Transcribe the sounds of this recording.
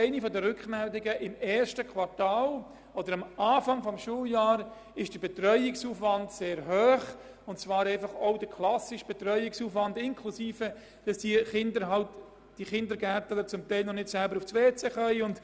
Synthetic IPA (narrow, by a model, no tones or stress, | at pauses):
ɛɪnifɔdəɾʏkχmɛldɪɡəʔɪmɛːɾʃtəkχʋɑɾtaːl | odəɾɑmaːfɑŋfɔmʃuːljɑːɾ | ɪʃd̥əbɛt̪ɾœʏɪksuːfʋɑndseːɾɦøːχ | ʊnt͡svɑːɾɛɪfɑχoʊd̥əkʰlɑsɪʃb̥ɛtɾœʏɪksuːfʋɑndɪŋkʰlusiːfə | d̥ɑsd̥iχɪndəɾɦɑlt | d̥iχɪndəɾɡætələt͡sʊmt̪æɪlnɔnɪtsɛlbəɾufsʋeːt͡seχœʏʊnd